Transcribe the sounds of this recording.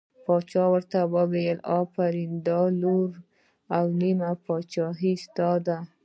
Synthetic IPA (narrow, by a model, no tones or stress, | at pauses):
pɑt͡ʃɑwəɾt̪abəbejəlɑpaɾind̪ɑluɾ | awnimapɑt͡ʃɑɦist̪ɑd̪a